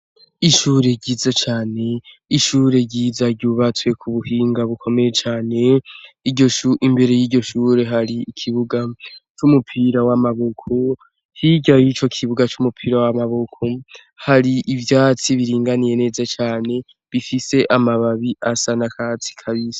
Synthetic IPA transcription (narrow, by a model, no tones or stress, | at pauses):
iʃuːɾe̞ɟiːzat͡ʃaːne̞ | iʃuːɾe̞ɟizaɟuβat͡swe̞kʰuβuhiːŋɡaβukʰo̞me̞je̞t͡ʃaːne̞iɟo̞ʃuʔimbe̞ɾe̞jiːɟo̞ʃuːɾe̞ɦaɾiːkʰiβuɡat͡ʃumupʰiɾawamaβokʰo | hiɟajit͡ʃo̞kʰiβuɡat͡ʃumupʰiːɾawamaβokʰo | haɾiʔivjaːt͡siβiɾiːŋɡanije̞ne̞ːzat͡ʃaːne̞ | βifise̞ʔamaβaβiʔasanakʰaːt͡si̥kʰaβizḁ